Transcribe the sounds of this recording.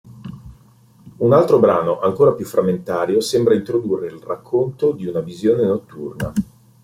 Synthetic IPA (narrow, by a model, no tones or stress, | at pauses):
unalt̪ɾobɾaːnoʔaŋkoːɾapjufːɾʔamːent̪aːɾjosembɾaint̪ɾod̪urːeilrakʰːont̪od̪iunavizjoːnenot̪ːurna̰